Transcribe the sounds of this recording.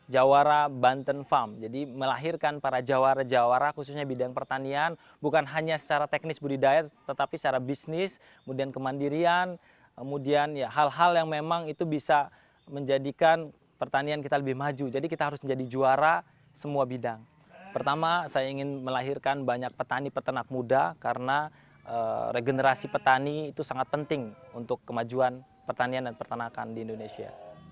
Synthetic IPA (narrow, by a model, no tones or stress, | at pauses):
d͡ʒawaɾabant̪ənfamd͡ʒadiməlaɦirkanpaɾad͡ʒawaɾad͡ʒawaɾakususɲabidaŋpərt̪anian | bukanɦaɲasə̥t͡ʃaɾat̪ɛk̚nɪsbudidaɛt̪ət̪apisə̥t͡ʃaɾabisnɪs | kəmudiankəmandiɾian | kəmudianjaɦalɦaljaŋmemaŋit̪ubisa | məɲd͡ʒadikan | pərt̪aniankit̪aləbɪhmad͡ʒud͡ʒadikit̪aɦaɾʊsməɲd͡ʒadid͡ʒuaɾa | səmuabidaŋ | pərt̪amasajaiŋɪnməlaɦirkanbaɲak̚pət̪anipərt̪ənak̚mudakaɾəna | ʔəɾeɡənəɾasipət̪aniːt̪usaŋat̪̚pənt̪ɪŋunt̪ʊkːəmad͡ʒuan | pərt̪aniandanpərt̪ənaka̰ndiːndonesia̰